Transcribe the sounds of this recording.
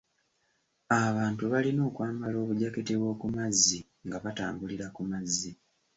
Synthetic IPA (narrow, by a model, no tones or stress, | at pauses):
aβaːntuβalino̞ːkwaːmbalo̞ːβuɟaketeβwo̞ːkumazːi | ŋɡaβataːmbuliɾakumazːi